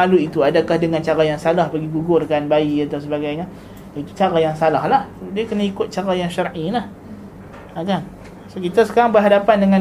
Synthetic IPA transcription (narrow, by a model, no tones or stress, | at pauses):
aluit̪uadakahdəŋant͡ʃaɾajaŋsalahpaɡiɡuɡʊrkanbaiat̪aws̬əbaɡajɲa | ait̪u̥t͡ʃaɾajaŋsalahlahsdiakənaikʊt̪̚t͡ʃaɾajaŋʃarʔilah | akan | sokit̪asə̥kaɾaŋbərɦadapandəŋã